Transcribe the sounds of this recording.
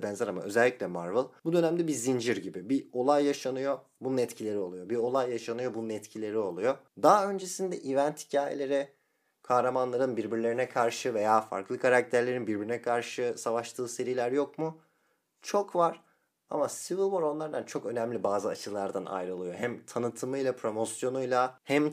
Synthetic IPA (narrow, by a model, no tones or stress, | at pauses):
bɛnzɛɾama̰ø̞̰zɛlʲːicʲlʲɛmaɾvɯlˠbud̪ønæmd̪ɛbizind͡ʒiɾɟibibio̞lˠajːaʃanɯjo̞ | bununɛt̪cʰilʲe̞ɾio̞lˠujo̞bio̞lˠajːaʃanɯjo̞bununɛt̪cʰilʲe̞ɾio̞lˠujo̞d̪aø̞nd͡ʒe̞sind̪ɛʔivɛnt̪hi̥cʰaːjḛlʲe̞ɾɛ | kʰahɾamanlˠaɾɯnbiɾbiɾlʲeinɛkʰaɾʃɯve̞jaːfa̰ɾklˠɯkʰaɾak̚t̪ʰæɾlʲe̞ɾinbiɾbiɾinɛkʰaɾʃɯsavaʃt̪ʰɯːse̞ɾilʲæɾjo̞kmu | t͡ʃʰo̞kvaɾ̥ | a̰masivɯlˠboɾo̞nlˠaɾd̪ant͡ʃʰo̞kø̞nɛmlʲibaːzɯa̰t͡ʃʰɯlˠaɾd̪ana̰jɾɯlˠɯjo̞ɦæmt̪ʰanɯt̪ʰɯmɯjlˠapʰɾo̞mo̞sjo̞nujlˠahæm